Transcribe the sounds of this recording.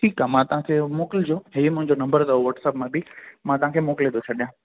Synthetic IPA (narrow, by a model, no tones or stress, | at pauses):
ʈʰiːkaːmãt̪ɐʋ̤ɦãkʰeːmoːkɪld͡ʑoːɦeimʊ̃ɦɪ̃ɲd͡ʑonɐ̃mbəɾd̪ɐoʋɐʈsəpmãbimãt̪ɐʋɦãkʰeːmoːkɪlẽd̪ot͡ɕʰɐɗijãː